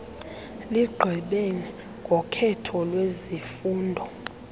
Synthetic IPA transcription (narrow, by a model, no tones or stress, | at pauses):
liɡ͡ǃʱɛɓeni | ŋɡʱɔkʰɛtʰɔlwezifuːndʱɔ